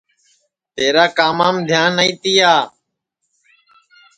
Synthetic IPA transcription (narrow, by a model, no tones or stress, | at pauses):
t̪eːɾaːkaːmaːmd̪ʱjaːnːəĩːt̪iːaː